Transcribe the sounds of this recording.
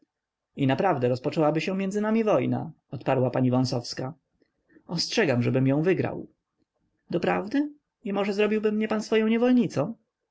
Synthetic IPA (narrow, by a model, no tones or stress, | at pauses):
inapɾavd̪ɛɾɔspɔt͡ʂɛwabɘɕɛ̃mʲjɛnd̪zɘnamʲivɔjna̰ | ɔt̪paɾwapaɲivɔ̃w̃sɔfska | ɔstʂɛɡamʐɛbɘmjɔ̃w̃vɘɡɾa̰w | d̪ɔpɾavd̪ɘ | imɔʐɛzɾɔbʲiwbɘmːɲɛpansfɔjɔ̃w̃ɲɛvɔlɲit̪sɔ̃w̃